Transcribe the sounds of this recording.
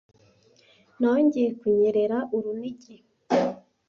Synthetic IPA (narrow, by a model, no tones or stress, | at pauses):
noɲɟijekwujeɾeɾaʔuɾuniɟe